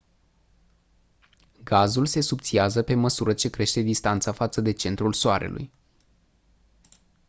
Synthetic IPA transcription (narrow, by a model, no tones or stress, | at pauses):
ɡazulse̞sup̚t̪siazəpe̞məsuɾət͡ʃe̞kɾe̞ʃt̪e̞d̪ist̪ant̪safat̪səd̪e̞t͡ʃe̞nt̪ɾulsoaɾe̞̰lṵj